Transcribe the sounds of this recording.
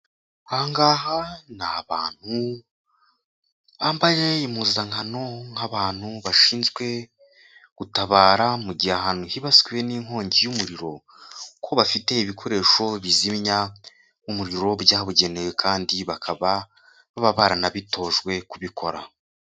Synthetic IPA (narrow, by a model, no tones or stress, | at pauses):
haːŋɡaːhanaβaːn̥hu | ambaje̞imuzaŋhano̞ŋhaβaːn̥huβaʃiːnzɡwe̞ | ɡ̥utaβaːɾamuɟiahaːn̥huhiβaskwieniŋo̞ːɲɟijumuɾiɾo̞ | kʰo̞βafite̞iβikʰo̞ɾe̞ːʃo̞βizimɲa | umuɾiɾo̞βjaːβuɟe̞newekʰaːndiβakʰaβa | βaβaβaɾanaβito̞ːʒɡwe̞kuβikʰo̞ɾa̰